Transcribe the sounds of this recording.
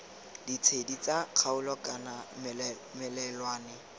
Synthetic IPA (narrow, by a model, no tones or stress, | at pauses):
dit͡sʰedit͡saq͡χʰaʊlɔkʼana | mɛlɛlwaːnɪ